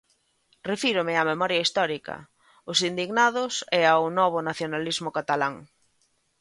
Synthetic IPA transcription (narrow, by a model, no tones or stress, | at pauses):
refiɾʊmɪamemɔɾjaist̪ɔɾikɐ̰ | ʊsind̪iɣnaðʊsɛawnɔβ̞ʊnaθjonalizmʊkat̪alaŋ